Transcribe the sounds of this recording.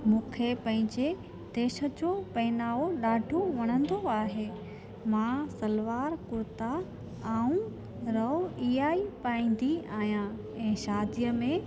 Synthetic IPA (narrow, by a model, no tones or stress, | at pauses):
mũːkʰepɐ̃ɦɪ̃ɲd͡ʑe | d̪̥eːʃə̆d͡ʑopɐɪnaːoɗaːɖʱoʋɐɽ̃ə̃nd̪oaːɦeː | mãsɐlʋaːɾkʊɾt̪a | aːũ | ɾɐiːaːipaːĩːn̆d̪iaːɦijã | ɛ̃ːʃaːd̪ijəmẽ